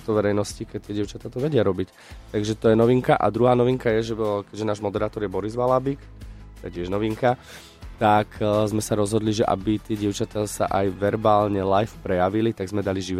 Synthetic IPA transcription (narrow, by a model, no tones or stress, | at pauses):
t̪ɔʋɛɾɛjnɔscikɛc̚t̪ɪɛɟɪɛʊt͡ʃat̪at̪ɔʋɛɟɪaɾɔbic | t̪aɡʒɛt̪ɔjɛnɔʋiŋkaʔa̰d̪ɾuɦaːnɔʋiŋkajɛʒɛkɛɟʒɛnaːʒmɔd̪ɛɾaːt̪ɔɾjɛbɔɾizʋalabik | t̪ɛcɪɛʒnɔʋiŋka | t̪akzmɛsaɾɔzɦɔd̪liʒɛʔa̰bit̪ɪɛɟɪɛʊt͡ʃat̪asa̰ʔajʋɛɾbaːlɲɛlajfpɾɛjaʋilit̪aɡzmɛd̪aliʒiʋ